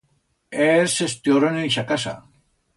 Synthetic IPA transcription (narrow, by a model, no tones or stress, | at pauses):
esest̪ioɾonenʃakasa̰